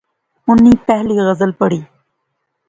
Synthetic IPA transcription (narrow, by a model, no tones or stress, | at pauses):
ʊnːiːpɛɦliːɣəzəlpəɽiː